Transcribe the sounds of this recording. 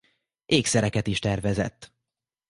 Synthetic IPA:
ʔeːksɛɾɛkɛt̪iʃt̪ɛrvɛzɛ̰t̪ː

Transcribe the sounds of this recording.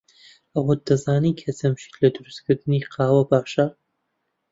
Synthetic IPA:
ɐwɐd̪ɐzaːnikʰɐt͡sʰɐmʃi̥t̪lɐd̪ɨɾɨst̪kʰɨɾd̪ɨniːqʰaːwɐbaːʃɐ

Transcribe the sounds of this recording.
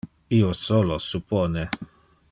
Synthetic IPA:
iosolosupone

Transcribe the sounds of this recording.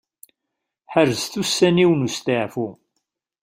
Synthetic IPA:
ħəɾzθusːæniwnust̪ɪʕfu

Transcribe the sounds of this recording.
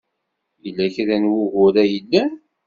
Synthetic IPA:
ilːæçɾænwʊɣʊɾæjəlːæ

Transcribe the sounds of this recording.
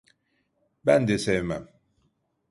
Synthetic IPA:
ban̩desɛma̰m

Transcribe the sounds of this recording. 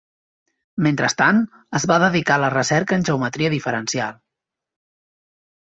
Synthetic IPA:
ment̪ɾəst̪an | əzβaðəðikalərəsɛɾkəːnʲʒəwmət̪ɾiəðifəɾənsialˠ

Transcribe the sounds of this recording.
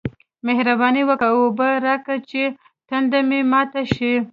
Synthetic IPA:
mehɾabɑniwəkaobəɾɑkat͡ʃe | t̪and̪amemɑt̪aʃi

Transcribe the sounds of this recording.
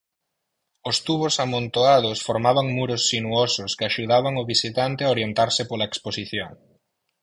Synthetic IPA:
ʊst̪uβosamõnt̪oað̞ʊsfoɾmaβaŋmuɾʊsːinuosʊskɪaʃuðaβaŋʊβisit̪ant̪ɪaoɾjent̪aɾsɪpolɐeksposiθjoŋ

